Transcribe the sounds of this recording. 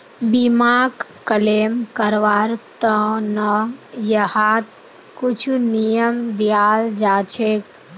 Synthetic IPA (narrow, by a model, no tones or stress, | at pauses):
bimaːk | kəleːmkəɾʋaːɾt̪ə̃nəjəhaːt̪ | kut͡ʃʰunijəmd̪ijaːld͡ʒaːt͡ʃʰeːk